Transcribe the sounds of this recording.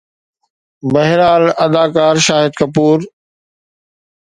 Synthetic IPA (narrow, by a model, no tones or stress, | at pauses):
mɐɦɾaːlɐd̪aːkaːɾʃaːɦɪd̪̚kɐpuːɾ